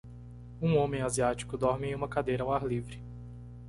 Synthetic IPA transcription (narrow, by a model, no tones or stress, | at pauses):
ũõmẽj̃aziat͡ʃi̥kʊd̪ɔɾmɪẽj̃ũmɐkad̪ejɾɐaw̃aɾlivɾɪ